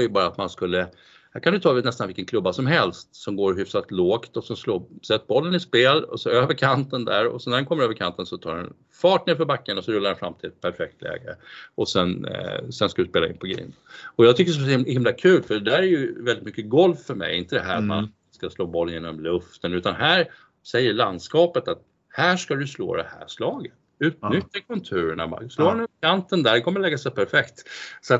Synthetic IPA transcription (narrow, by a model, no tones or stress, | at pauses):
jɵbɑːɾaːt̪manskɵlːə | hæːɾkʰand̪ɵt̪ʰɑːnɛst̪anvɪlkənkʰlɵbːasɔmɦɛlst̪sɔmɡoːɾɦʏfsat̪loːkt̪ɔsɛnsloːsɛt̪ːbɔlːənɪspeːlɔ̰sɔøːvəɾkʰant̪ənd̪æ̰ɾɔ̰sɔnæɾɛnkɔmːɾøːvəɾkʰant̪ənsɔt̪ʰɑ̰ːɾdɛ̰n | fɑːʈ̚neːɾfɔɾbakːənɔsɔɾɵlːaɾɛnfɾa̰mːt̪ʰɪlɛt̪̚pʰæɾfɛk̚t̪ʰlɛ̰ːɡə̰ʔɔsɛnsɛnskad̪ɵspeːlaɪ̰nːpʰɔɡɾḭːnɔjɑːɡt̪ʰʏkːəɾsɔhɪmlakʰʉ̟ːlfœɖɛd̪æːɾæɾjɵvɛld̪ɪt̪mʏkːəɡɔlffœɾmɛ̰jɪnt̪əd̪ɛɦæ̰ːɾama̰n | skasloːbɔlːjeːnɔmlɵft̪ənʉ̟ːt̪anhæːɾ | sɛjːəɭand̪skɑːpət̪at̪̚ | hæːʂkad̪ɵjslo̰ːd̪ɛ̰hæ̰ːʂlɑːɡət̪ | ʉ̟ːt̪nʏt̪ːəkʰɵnt̪ʰʉ̟ːɾəɳa̰ma̰sloːɛnɵpkʰant̪ənd̪æɾkʰɔmːəɾlɛɡːasɛjpʰæɾfɛkt̪sɔat̪